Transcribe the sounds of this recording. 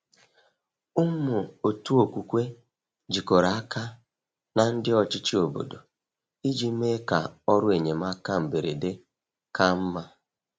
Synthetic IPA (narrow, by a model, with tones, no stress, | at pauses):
ʊ˦m˦mʊ˨o˨tu˦o˨kʷu˨kʷe˦ | d͡ʒi˨ko˨ɾa˨a˦kʰa˦ | na˨n̩˦dɪ˦ɔ˨t͡ʃɪ˦t͡ʃi˦o˨bo̰˨do˨ | i˦d͡ʒi˦me˦ka˨ɔ˦ɾʊ˦e˨ɲe˨m˦a˦ka˦m̩˨be˨ɾe˨de˦ | ka˦m̩˦ma˦